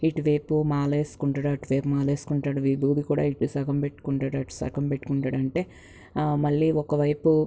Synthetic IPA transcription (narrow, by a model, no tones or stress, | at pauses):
iʈiʋe̞ːpumaːle̞ːsu̥kuɳʈaːɽɐʈiʋeːpumaːleːskuɳʈaːɽuʋiːbʱuːd̪ikuːɽa̰ːiʈisɐɡɐmpeʈːu̥kuɳʈaːɽɐʈi̥sɐ̰kɐmpeʈːukuɳʈaːɽɐɳʈe̞ː | mɐɭːiːɔkɐʋɐjpu